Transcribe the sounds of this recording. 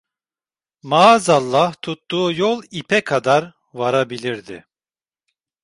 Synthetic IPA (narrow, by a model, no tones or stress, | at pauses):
mazalˠːaht̪ʰut̪ːuːjɔlˠipʰɛkʰad̪aɾ | vaɾabilʲiɾd̪ḭ